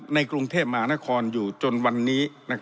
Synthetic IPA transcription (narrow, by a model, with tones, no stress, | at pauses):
na˧jkɾu˧ŋt̪ʰeː˥˩p̚ma˧ɦaː˦na˦˥kʰɔː˧njuː˨˩t͡ɕo˧nwa˧nːiː˦˥na˦˥kʰ